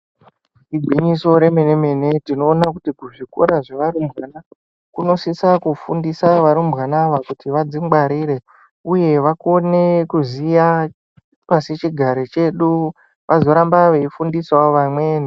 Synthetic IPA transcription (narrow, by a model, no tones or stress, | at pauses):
iɡʱwiɲiso̞ɾe̞mene̞me̞ne̞tino̞ːnakutikuʐiko̰ɾaʐeʋaɾumbɣana | kuno̞sisakufundisaʋaɾumbɣanaʋakutiʋad͡zimɡ͡baɾiɾe̞ | uje̞ʋako̞ne̞kuzija | pasit͡ʃiɡʱaɾet͡ʃe̞ɗu | ʋʔazo̞ɾambaʋeifundiswaʋamweːni